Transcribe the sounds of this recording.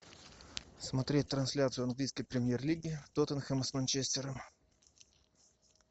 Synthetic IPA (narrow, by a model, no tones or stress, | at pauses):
smɐt̪ɾʲet̚ʲt̪ɾɐnsʲlʲat̪sɨʊɐnɡlʲijskəjpɾʲɪmʲjerlʲiɡʲɪt̪ot̪ənxəməsmɐnt͡ɕesʲtʲɪɾəm